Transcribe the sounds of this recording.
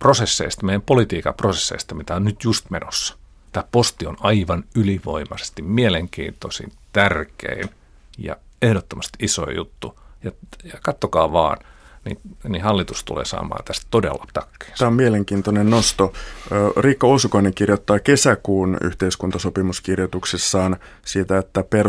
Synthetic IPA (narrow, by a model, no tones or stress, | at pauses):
prosesːḛist̪mejæmpolit̪iːkɑ̰prosesːḛist̪ɑmit̪æonnyt̪just̪menosːɑ̥ | t̪æːpost̪ionɑiʋɑnyliʋo̰imɑse̥st̪immieleŋkḭːnt̪osḭnt̪ærkḛin | jɑ̰ | ehɾot̪ːomɑst̪iiso̰ijut̪ːujɑjɑkɑt̪ːokɑːʋɑ̰ːnnḭnihɑlːit̪ust̪ṵlḛːsɑ̰ːmɑ̰ːnt̪æst̪t̪odḛlːɑ̥t̪ɑkːe̥ːst̪æːomieleŋkiːnt̪onennost̪o | rikːɑosukoineŋkirjot̪ːɑːkesækuːny̰ht̪eiskunt̪ɑsopimuskirjot̪uksesːɑːn | siːt̪æet̪ːæper